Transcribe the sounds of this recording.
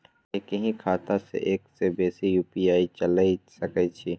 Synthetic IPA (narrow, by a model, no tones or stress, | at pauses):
ekəɦĩkʰaːt̪asḛʔeːksebɛːsijuːpiaːit͡ʃəlaisɐkɛt͡ʃʰi